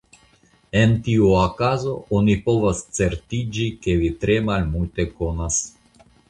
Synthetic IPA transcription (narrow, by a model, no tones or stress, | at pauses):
e̞nt̪iuakazo̞onipo̞vast͡se̞ɾt̪id͡ʒike̞vit̪ɾe̞malmult̪e̞konas